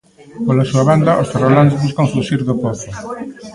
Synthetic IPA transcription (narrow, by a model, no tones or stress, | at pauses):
polasuaβand̪aʔost̪erolanzβuskaŋfuʃiɾðʊpoθʊ